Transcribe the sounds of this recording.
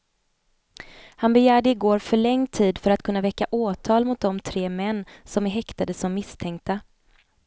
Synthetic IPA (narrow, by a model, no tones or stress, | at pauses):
hanbɛjæːɖɛɪɡoːɾfœɭɛŋːt̪ʰiːd̪fœɾat̪kʰɵnːavɛkːaʔoːt̪ʰɑːlmʊt̪̚d̪ɔmt̪ʰɾeːmɛnːsɔmæɾɦɛkt̪ad̪əsɔmːɪst̪ʰɛŋk̚t̪a